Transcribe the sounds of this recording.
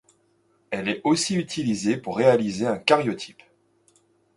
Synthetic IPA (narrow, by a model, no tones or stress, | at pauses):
ɛlɛosiyt̪ʰilizepuʁːealizeɛ̃kaʁjɔt̪ʰi̥p